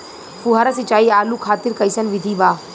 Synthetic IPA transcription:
puɦəɾəsɪt͡ʃaːiːaːlukʰaːt̪ɪɾkɐisənʋɪd̪ʱiːbaː

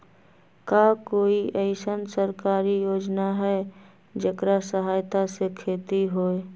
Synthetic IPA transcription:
kakoːiʔɛɪsənsəɾkaːɾijoːd͡ʒnaɦɛ | d͡ʒəkɾasəɦaːjt̪asekʰeːt̪iɦoːe

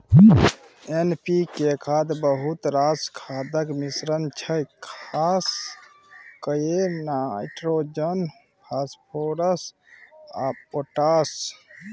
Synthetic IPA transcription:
enpikekʰad̪bəɦut̪ɾaskʰaːd̪əkmisɾənt͡ʃʰəjkʰaːs | kəjenajʈɾod͡ʒən | pʰaːspʰoːɾəs | a̰poʈas

